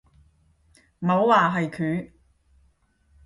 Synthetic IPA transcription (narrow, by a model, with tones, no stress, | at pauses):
mɐ˨˧˥wwaː˨˩ɦɐ˨jkʰyː˨˥